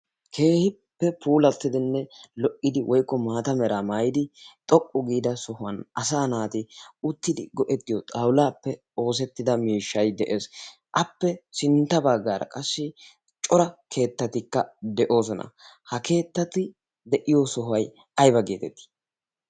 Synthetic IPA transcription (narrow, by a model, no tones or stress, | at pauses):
kʰe̞ːhɪ | pːɛpʰuːlɐt̪ːɪd̪ɪnːɛlɔʔʼːɪd̪ɪwʔɔjkːɔmaːt̪ɐmɛɾaːmaːjɪd̪ɪt̪ʼɔkʼːʊɡiːd̪ɐsɔhʊɐnɐsaːnaːt̪ɪʊt̪ːɪd̪ɪɡɔʔɛt̪ːɪjɔt̪ʼɐwlaːpːɛ | o̞ːs̬ɛt̪ːɪd̪ɐmiːʃːɐjd̪ɛʔe̞ːs | ʔɐpːɛsɪnt̪ːɐbɐɡːaːɾɐ̰kʼɐsːɪ | t͡ʃʼɔɾɐkʰe̞ːt̪ːɐt̪ɪkːɐd̪ɛʔo̞ːsɔnɐ̰ | hɐkʰe̞ːt̪ːɐt̪ːɪ | d̪ɛʔɪjɔsɔɦʊɐj | ɐjbɐɡeːt̪ɛt̪ːi̥